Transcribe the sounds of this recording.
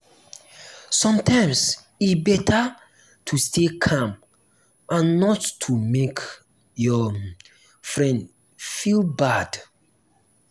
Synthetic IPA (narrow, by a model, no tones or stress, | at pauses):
sɔ̃mtʰãɪ̃ms | ibɛta | tʰustʰekʰãm | ʔãnːɔtːʰumek | jɔ | fɹɛ̃nd | filbad̥